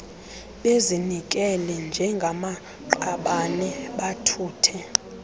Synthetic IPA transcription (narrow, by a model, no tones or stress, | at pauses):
ɓezinik̬ʼɛlɛnd͡ʒʱɛŋɡʱama | ǃaɓanɛɓatʰuːtʰɛ